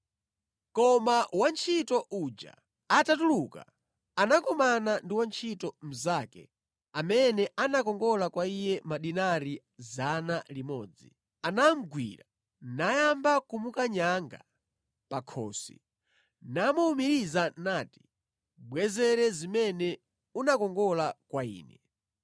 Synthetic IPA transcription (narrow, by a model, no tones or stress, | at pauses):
kɔmawant͡ʃʰitɔʔud͡ʒa̰ | atatuluka̰ | anakɔmanandiwant͡ʃʰitɔm̩zakɛ̰ | amɛnɛʔanakɔŋɡɔlakwaijɛmaɗinaɾi | zanalimɔ̰ːd͡zḭ | anam̩ɡwḭɾa | najambakumukaɲaŋɡa | pakʰɔ̰ːsḭ | namuumiɾizanaːti̥ | ɓwɛzɛɾɛzimɛnɛ | unakɔŋɡɔlakwaḭːnɛ